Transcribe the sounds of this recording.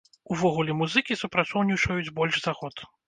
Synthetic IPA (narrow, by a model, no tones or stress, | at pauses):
uvɔɣulʲɛmuzɨkʲisupɾat̪sɔwnʲit͡ʂɐjud͡zʲbɔlʲʂzaɣɔt̪